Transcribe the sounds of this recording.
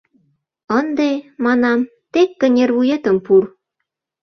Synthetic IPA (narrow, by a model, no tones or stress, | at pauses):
ənd̪emɑnɑm | t̪ekːə̆nʲerβujet̪ə̆mpur